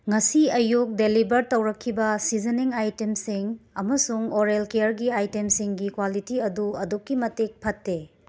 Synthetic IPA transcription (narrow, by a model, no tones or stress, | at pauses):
ŋɐsiɐjuk̚delibɐɾtɐwɾɐkʰːibɐsid͡ʒɐniŋajtemsiŋɐmɐsuŋoɾelkejɐɾɡiajtemsiŋɡikwalitiɐduɐdokːimɐtek̚pʰɐtːe